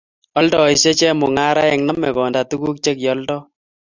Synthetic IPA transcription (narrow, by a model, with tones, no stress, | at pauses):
ɔ˦ldɔ˨i˨se˦t͡ʃɛ˦mʊ˨ŋa˦ɾa˦ɛ˨ŋnɔ˦mːɛ˨kɔ˨nda˨tu˦ku˦k̚t͡ʃe˦k̬jɔ˦ldɔ˦